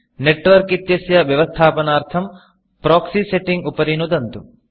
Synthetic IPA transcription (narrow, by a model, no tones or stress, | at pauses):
neʈʋɐɾkit̪jɐsjɐʋjɐʋɐst̪ʰaːpɐnaːɾt̪ʰɐm | pɾoːksiseʈːiŋɡupɐɾinud̪ɐnt̪u